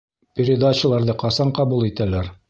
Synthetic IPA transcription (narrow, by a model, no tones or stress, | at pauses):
pʲɪɾʲɪd̪aɕə̆lˠɑɾðɤqɑsɑɴqɑbulˠit̪ælæɾ